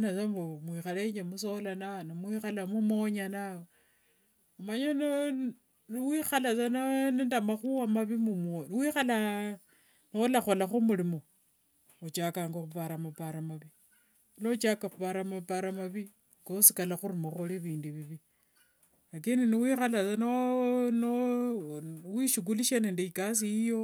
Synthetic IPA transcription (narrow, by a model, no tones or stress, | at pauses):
nasambomwixalet͡ʃemusolanaonimwixalamumoɲanawo | umaɲono | niwixalasananindamaxuwamaβimumonwiːxala | noolaxolaxumuɾimo | ot͡ʃakaːŋɡoxupaɾamapaɾamaβi | lot͡ʃakaxupaɾamapaɾamaβi | ɡosikalaxuɾimoxoliβiːndiβiβi | akininiwiːxalat͡sanono | wiʃuɡ̬uliʃanendeikas̬iijo̞